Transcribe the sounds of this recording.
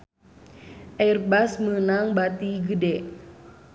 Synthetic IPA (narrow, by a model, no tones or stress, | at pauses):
ʔɛrbasmənaŋbat̪iɡədɛ